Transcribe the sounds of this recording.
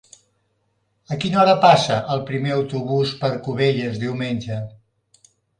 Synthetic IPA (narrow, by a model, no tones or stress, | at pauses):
əkinɔɾəpasəʔəlˠpɾimeəwt̪uβ̞uspəɾkuβeʎəzðiwmenʲd͡ʒə